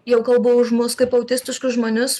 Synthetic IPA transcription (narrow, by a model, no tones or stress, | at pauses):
jɛʊkɐlˠboʊʒmʊskɐɪpɐʊt̪ʲɪsʲt̪ʲɪʃkʊsʒmoːnʲʊs